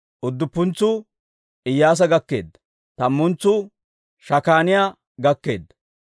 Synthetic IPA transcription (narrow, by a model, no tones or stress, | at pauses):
ʔʊd̪ːʊpːʊnt͡sːʊ | ɪjːaːs̬ɐɡɐkːe̞̰ːd̪ːɐ̥ | t̪ɐmːʊnt͡sːʊ | ʃɐkaːnɪjaː | ɡɐkːe̞̰ːd̪ːɐ